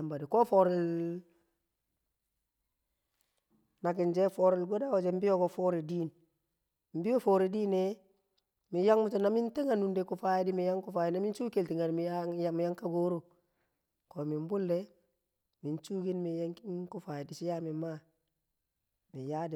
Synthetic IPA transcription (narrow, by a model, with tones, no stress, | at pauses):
a˨mba˨di˨ko˦fo˨ɾɪ˨l | na˨kɪ˨nd͡ʒe˦fo˨ɾɪ˨lɡo˦da˦wo˨d͡ʒe˨m˦bi˦jo˦ko˨fo˦ɾi˨di˦n | m̩˦bi˦jo˦fo˨ɾi˨di˦ne˦ | mi˨ja˦ŋmu˦t͡ʃo˨na˦mi˦nte˦ŋa˨nu˨nde˨ku˨fa˦ji˦di˦mi˨ja˦ŋku˦faː˨ji˨na˦mi˦nt͡ʃu˦ke˨lti˨ŋa˨dmi˨a˦mi˨ja˦ŋka˦ɡo˦ɾu˨ | ko˨mi˨m˦bʊ˦lːe˦ | mi˨nt͡ʃu˦ki˦nmi˨ja˦ŋkku˦fa˨ji˨di˨t͡ʃi˦ja˦mi˨ma˦ | mi˨ja˦di˨